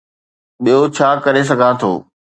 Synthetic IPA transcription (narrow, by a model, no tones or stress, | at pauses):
ɓijot͡ɕʰaːkɐɾes̬ɐɡʱãt̪ʰo̰ː